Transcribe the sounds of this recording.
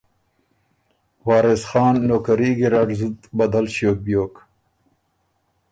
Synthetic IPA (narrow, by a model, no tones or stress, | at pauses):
wɑːɾesxɑːnːoːkaɾiɡiɾɑɖzut̪bad̪alɕjoːk̚bjoːk